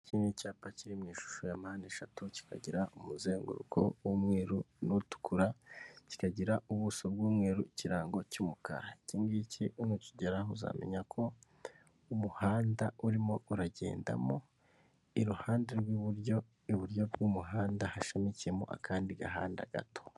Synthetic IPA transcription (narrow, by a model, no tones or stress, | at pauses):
cʰinicaːpaciɾimɲiːʃu̥ʃojamahaːne̞ʃatuci̥kʰa̰ɟiɾaʔumuzeːŋɡṵɾṵkʰo̞̰wumŋeːɾu | nutu̥kuɾaci̥kaɟiɾaʔuβusobɡuːmŋeːɾuciɾaːŋɡo̞cumukʰa̰ɾacimɡicʰiunuciɟeɾaɦuza̰ːmʔe̞̰ɲakʰo̞ | umuhaːndauɾimo̞uɾaɟe̞̰ːnda̰mo | iɾuhaːndeɾɡwiβɾjo | iβuɾjo̞bɡumuɦaːndahaʃemiciemo̞̰ʔa̰kʰaːndiɡaɦa̰ːnda̰ɡ̥a̰to̥